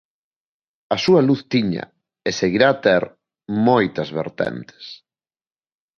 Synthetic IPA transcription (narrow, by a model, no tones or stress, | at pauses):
ɐsuɐluθt̪iɲɐ̰ | eseɣiɾaːt̪ɛɾ | mojt̪ɐzβḛɾt̪ɛ̰nt̪e̥s